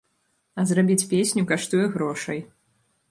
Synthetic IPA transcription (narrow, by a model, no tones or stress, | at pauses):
ɐzrabʲit͡sʲpʲesʲnʲukaʂt̪ujɛɣɾɔʂɐj